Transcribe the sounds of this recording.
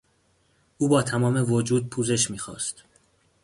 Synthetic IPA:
ʔuːbɒːt̪ʰæmɒːme̞vod͡ʒuːd̪̚pʰuːze̞ʃmiːxɒ̰ːst̪

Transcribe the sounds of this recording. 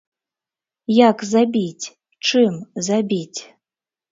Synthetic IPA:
jakzabʲitʲ | ʈ͡ʂɨmzabʲitʲ

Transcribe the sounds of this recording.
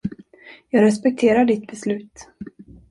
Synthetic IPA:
jɑːɡɾɛspɛk̚t̪ʰeːɾaɖɪt̪̚bɛslʉ̟ːt̪

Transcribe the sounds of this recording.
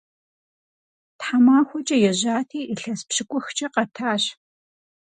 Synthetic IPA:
tħamaːxʷɔt͡ʃʼɐjɛʑaːtʰiːʔiɬɐspɕɪkʷʼʊxt͡ʃʼɐqɐtʰaːɕ

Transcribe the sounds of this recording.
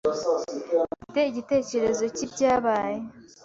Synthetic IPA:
iteiɟite̞ːce̞ɾe̞zo̞cibɟaːβaːje̞

